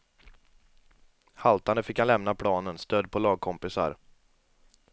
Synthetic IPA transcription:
halt̪and̪əfɪkhanlɛmnapʰɽɑːnənst̪œd̪̚pʰɔlɑːɡ̚kʰɔmpɪsa̰ɾ

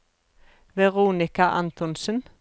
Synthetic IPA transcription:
ʋɛʁuːnɪkaʔɑ̰nt̪ɔnsən

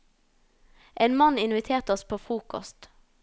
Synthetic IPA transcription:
ʔeːnmɑnɪnʋɪt̪ʰeːʁt̪əɔspʰoːfʁuːkɔ̰st̪

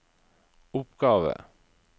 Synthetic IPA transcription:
ʊpɡɑːʋə̰

